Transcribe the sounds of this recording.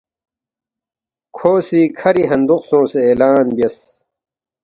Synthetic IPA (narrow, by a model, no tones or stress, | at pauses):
kʰoːsiːkʰɐɾiɦɐnd̪uqsõːseeːlaːnbijɐs